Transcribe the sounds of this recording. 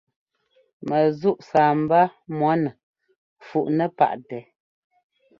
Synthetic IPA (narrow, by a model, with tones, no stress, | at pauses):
mə˨zu˦ʔsaː˨m˨ba˦mwɔ˨˦nə˨ | fu˨ʔnə˦pa̰˦˨ʔtɛ˨